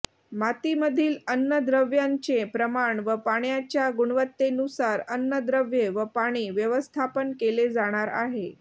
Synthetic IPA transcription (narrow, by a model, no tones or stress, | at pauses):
mat̪iməd̪ʱiːlənːəd̪ɾəʋjaɲt͡sepɾəmaɳʋəpaɽjat͡ɕjaɡuɽ̃ʋət̪ːenusaɾənːəd̪ɾəʋjeʋəpaɽ̃iːʋjəʋəst̪ʰapənkeled͡zaɽ̃aɾa̰ɦe